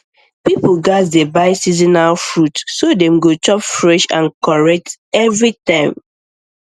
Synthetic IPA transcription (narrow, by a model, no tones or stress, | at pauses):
pipuɡatdebaɪsizinalfɹutsodɛ̃mɡot͡ʃɔpfɹɛʃã̰nkɔɹɛk̚tɛvɹitãɪ̃m